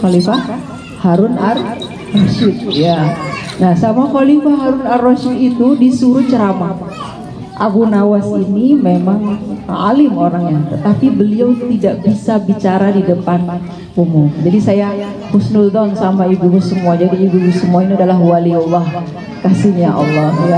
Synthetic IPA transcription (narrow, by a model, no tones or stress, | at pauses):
xalifah | haɾʊnar | rɔʃɪt̪̚janahsamaxɔlifaɦaɾʊnarɔʃɪt̪it̪udisuɾut͡ʃəɾama | ʔa̰ɣunawasinimemaŋa̰lɪmoɾaŋɲat̪ət̪apibəliawt̪idaʔbisabit͡ʃaɾadidəpan | kumud͡ʒadisaja | hʊsnuld̪ɔnsamaiɡubusəmuad͡ʒadiiɡubusəmuainiadalaɦwaliɔlːɔh | kasiɲaʔɔ̰lˠːɔhja